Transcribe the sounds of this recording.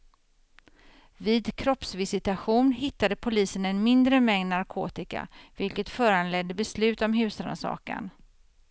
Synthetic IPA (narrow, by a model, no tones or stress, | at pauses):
viːd̪kʰɾɔpsvɪsɪt̪aɧuːnhɪt̪ːad̪əpʰʊliːsənɛnmɪnd̪ɾəmɛŋd̪naɾkʰo̰ːt̪ɪka̰vɪlkət̪fœːɾanlɛd̪ːəbɛslʉ̟ːt̪ɔmɦʉ̟ːsana̰sɑ̰ːka̰n